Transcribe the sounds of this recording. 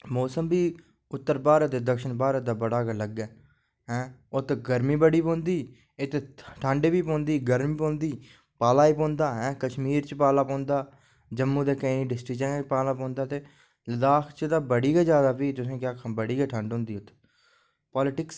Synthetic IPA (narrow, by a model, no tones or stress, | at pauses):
moːsəmbiː | ʊt̪ːəɾbaːɾət̪eːd̪əkʃəɳbaːɾət̪̚d̪aːbəɽaːkələɡɛː | ɦɛ̃ːʊt̪ɡəɾmiːbəɽiːpõːnd̪iː | ɪt̪eʈʰə̃ɳɖeːbiːpõːnd̪iːɡəɾmiːpõːnd̪iː | paːlaːiːpõːnd̪aːɦɛ̃ːkəʃmiːɾt͡ʃpaːlaːpõːnd̪aː | d͡ʒəmːuːd̪eːkəiniːɖɪsʈɪkt͡ʃɛ̃ːpaːlaːpõːnd̪aːt̪eː | ləd̪aːkʰt͡ʃd̪aːbəɽiːɡɛːd͡ʒjaːd̪aːpiːt̪ʊsẽːkjaːkʰbəɽiːɡɛːʈʰə̃ɳɖɦʊ̃ːnd̪iːʊt̪ʰː | pɔːlɪʈɪks